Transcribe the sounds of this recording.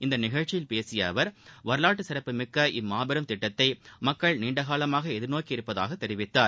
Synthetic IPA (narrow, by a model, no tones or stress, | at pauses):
ɪnd̪ɐnɪɣɐɻt͡ʃːɪjɪlpeːsɪjɐ̰ʋɐɾʋɐɾɯlaːʈːɯsɪɾɐpːɯmɪkːɐʔɪmːaːbɐɾɐmt̪ɪʈːɐt̪ːɐɪmɐkːɐɭniːɳɖɐɣaːlɐmaːɣɐɛðɪɾnoːkiɪɾɯpːɐða̰ːɣɐt̪ːɛɾɪʋɪt̪ːaːɾ